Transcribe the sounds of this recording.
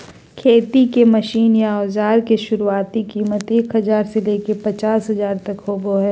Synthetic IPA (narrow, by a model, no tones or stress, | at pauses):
kʰeːt̪ikemɐʃiːnjaɔːzaːɾkeʃʊɾuaːt̪ikiːmət̪eːkɦɐzaːɾseleːkepɐt͡ʃaːsɦɐzaːɾt̪ɐkɦoːboɦɛː